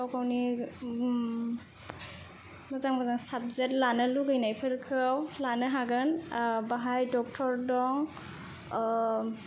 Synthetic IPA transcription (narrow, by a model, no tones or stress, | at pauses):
awkʰawni | mazaŋmazaŋsab̚zetlanɯluɡɯjnajpʰɯɾkʰɯwlanɯɦaɡɯnbaɦajdɔk̚tʰɔɾdɔŋ